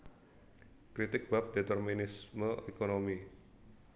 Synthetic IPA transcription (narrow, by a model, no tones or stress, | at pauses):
kɾit̪ɪk̚bap̚det̪ərminɪsməʔekonomi